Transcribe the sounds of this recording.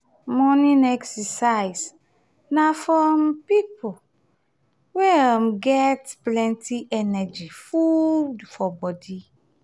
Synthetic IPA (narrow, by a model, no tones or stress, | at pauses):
mɔnĩnɛksɛsaɪs | nafɹɔ̃mpipʰo | wɛamɡɛtplɛ̃ntiʔɛnɛd͡ʒifudfɔbɔdi